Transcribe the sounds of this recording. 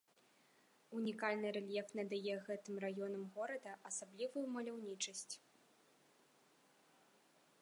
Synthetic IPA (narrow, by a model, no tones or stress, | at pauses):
unʲikalʲnɨɾɛlʲjɛfnɐd̪ajɛɣɛt̪ɨmrajɔn̪ɐmɣɔɾɐd̪ɐʔɐsablʲivujumɐlʲawnʲit͡ʂɐsʲt͡sʲ